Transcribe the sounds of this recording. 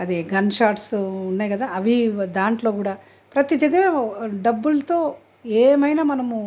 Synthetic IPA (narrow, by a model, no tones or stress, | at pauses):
ɐd̪iɡɐnʃaːɾʈsounːaːjkɐd̪aːɐʋid̪aːɳʈlo̞ːkuːɽaː | pɾɐt̪id̪ɐɡːɐɾɐɖɐbːulɐt̪o̞ː | eːmɐjnaːmɐnɐmu